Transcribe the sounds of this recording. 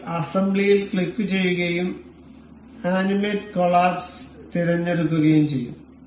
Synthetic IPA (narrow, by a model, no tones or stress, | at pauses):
ɐsɐmblijilkɭikːɨt͡ɕe̞jːuɣɐjum | aːnimeːtkoɭaːbst̪iɾɐɲːe̞ɽuk̬ːuɣɐjumt͡ɕe̞jːṵm